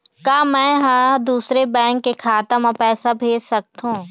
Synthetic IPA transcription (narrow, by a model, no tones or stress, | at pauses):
kaːmɛ̃ːɦãd̪uːsɾebɛ̃ːŋkːekʰaːt̪əmapɛːsabʱeːd͡ʒsɐk̚t̪ɦũː